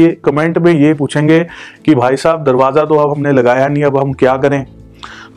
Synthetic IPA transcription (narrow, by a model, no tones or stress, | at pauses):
ekɐmẽːɳʈmẽjep̬uːt͡ʃʰẽːŋɡekibʱaːisaːb̚d̪ɐɾʋaːzat̪̬oɐbɦɐmnelɐɡaːjanĩɐbɦɐmkjaːkɐɾẽː